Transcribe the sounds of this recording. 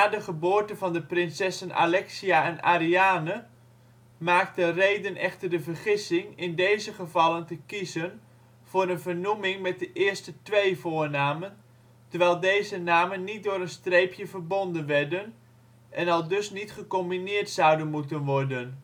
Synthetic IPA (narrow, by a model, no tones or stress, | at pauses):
naːdəχəboːrtənvɑndəprɪnsɛsənʔa̰lɛksiaɛna̰ɾiaːnə | maːk̚tənrejdənʔɛχtərdəvərχɪsɪŋɪndejzəχəvɑləntəkizən | v̥ʊːɾənvərnumɪŋmɛt̚dəʔɪːrstətʋejvʊːɹnaːmən | tərʋɛjlˠdejzənaːmənːit̚dʊːɾənstrejpjəvərbondənʋɛɹdən | ʔɛnɑlˠdɵsnitχəkɔmbinɪːrtsʌwdənmutənʋɔrdən